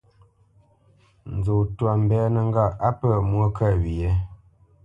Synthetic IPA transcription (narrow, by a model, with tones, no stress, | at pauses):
n̩˨d͡zo˨twa˨m̩˨bɛ˦nə˨ŋ˦ɡa˦˨a˦pə˦˨mwə˦kə˦˨wi˨je˦